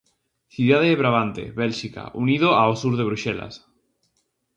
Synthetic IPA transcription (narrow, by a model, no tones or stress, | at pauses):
θjuðaðeːβɾaβant̪ḛβelʃika̰ʔuniðoaosuɾðeβɾuʃela̰s